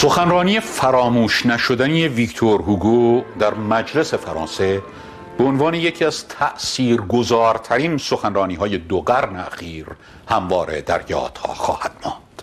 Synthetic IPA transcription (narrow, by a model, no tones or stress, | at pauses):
so̞xænrɒːniːjefæɾɒːmuːʃnæʃo̞d̪ænijevikt̪ʰoɾhuɡud̪æɾmæd͡ʒle̞se̞fæɾɒ̰ːnse̞ | b̥eonvɑːne̞je̞cʰiːæzt̪ʰæʔsiːɾɡozɒːɾt̪ʰæɾiːnso̞xænrɒːniːɦɒːje̞d̪oɡæɾneæxiːɾ | hæmvɒːɾe̞̰d̪æ̰ɾjɒ̰ːd̪̥hɒ̰ːxɒ̰ːhæd̪̥̚mɒːnd̪̥